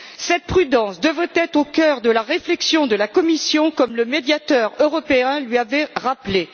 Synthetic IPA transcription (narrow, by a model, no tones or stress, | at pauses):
sɛt̪̚pχyd̪ɑ̃sd̪əvʁɛt̪ɛt̪χokʲœʁd̪əlaʁeflɛksjɔ̃d̪əlakɔmisjɔ̃kɔmləmed̪jat̪œʁøʁɔpeɛ̃lɥiavɛʁaple